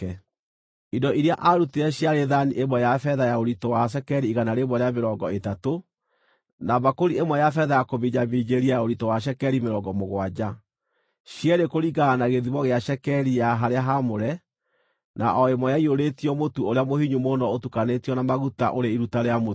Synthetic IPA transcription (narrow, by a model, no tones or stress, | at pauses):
ɛ | idɔiɾeaʔaɾuteɛɕjaɾeðaniʔemwɛjafɛðajaoɾitɔwaʃ̬ɛkɛɾiːɣanaɾemɔɾeameɾɔːŋɡɔetato | naβakoɾiemwɛjafɛðajakoβiɲamid͡ʑeɾiajaoɾitɔwaɕ̬ɛkɛɾimeɾɔŋɡɔmoɣwad͡ʑa | ɕjɛɾekoɾiɡaːnaɣeðiβɔɣeaʃɛkɛɾijaɦaɾeaɦamoɾɛ | naʔɔemwɔjaioɾetiɔmotuoɾeamohiɲumonɔotukanetiɔnamaɣuta̰ʔoɾeiɾutaɾeamo